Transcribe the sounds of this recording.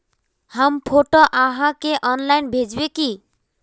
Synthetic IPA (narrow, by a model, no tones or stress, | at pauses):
hampʰoʈoʔãɦãkeʔɔnlajnbʱed͡ʒbeki